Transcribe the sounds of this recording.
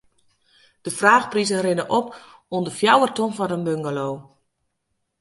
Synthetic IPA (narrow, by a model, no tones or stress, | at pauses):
d̥əfraːxprizərɪnəʔɔp | undəfjawətonfɔdənbøŋɡaloː